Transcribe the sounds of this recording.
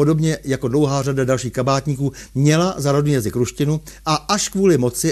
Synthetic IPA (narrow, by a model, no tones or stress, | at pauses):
o̞do̞bɲɛjako̞dlo̞wɦaːradadalʃiːxkabaːt̪ɲiːkuːmɲɛlazaɾodniːjazɪkɾuʃcɪnu | ʔaʔaʃkvuːlɪmo̞t͡sɪ